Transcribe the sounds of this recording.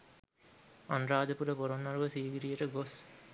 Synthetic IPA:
anɾaːd̪əpuɾəpoɾonːɐɾuʋəsiːɡiɾijəʈəɡos

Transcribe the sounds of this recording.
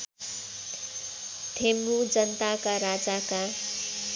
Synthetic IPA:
t̪emɾud͡zʌnt̪akaɾad͡zaka

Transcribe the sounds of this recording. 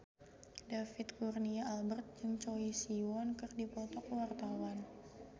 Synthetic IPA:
dafɪt̪̚kurniaːlbərt̪̚d͡ʒɨŋt͡ʃoisiwɔnkɨrdipɔt̪ɔkəwart̪awan

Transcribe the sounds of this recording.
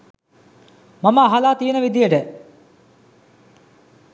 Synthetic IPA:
maməːɦalaːt̪ijənəʋid̪ijəʈə

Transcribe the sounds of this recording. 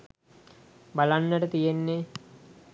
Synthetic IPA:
balanːəʈət̪ijenːe

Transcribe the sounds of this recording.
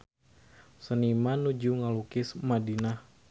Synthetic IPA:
sənimanud͡ʒuŋalukɪsmadina

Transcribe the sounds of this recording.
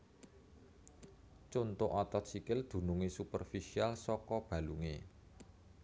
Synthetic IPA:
t͡ʃont̪ʊʔɔt̪ɔt̪sikɪld̪̥ṳnuŋisupərfisialsɔkɔb̥ä̤luŋe

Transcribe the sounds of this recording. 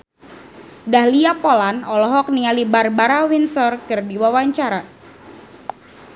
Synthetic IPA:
dahliapolanɔlɔɦɔk̚niŋalibarbaɾawinsɔrkɨrdiwawaɲt͡ʃaɾa

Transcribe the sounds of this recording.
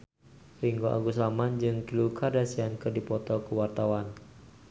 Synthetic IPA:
riŋɡoʔa̰ɡusamand͡ʒɨŋkilukʰardasiankɨrdipɔt̪ɔkəwart̪awan

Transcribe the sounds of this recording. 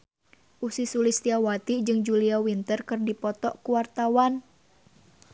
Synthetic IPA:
ʔusisulist̪iawat̪id͡ʒɨŋd͡ʒuliawint̪ərkɨrdipɔt̪ɔʔkuwart̪awan

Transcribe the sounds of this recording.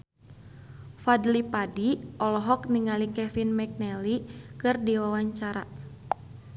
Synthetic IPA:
fadlipadiɔlɔɦɔk̚niŋalikɛfinmɛk̚nɛlikɨrdiwawaɲt͡ʃaɾa

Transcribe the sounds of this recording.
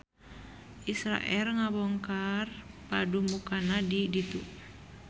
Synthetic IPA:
ʔisɾa̰ʔɛlŋabɔŋkarpadumukanadidit̪u

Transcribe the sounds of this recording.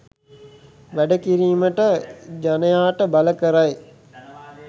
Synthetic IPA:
ʋæɖəkiɾiːməʈəd͡ʒanəjaːʈəbaləkəɾaj

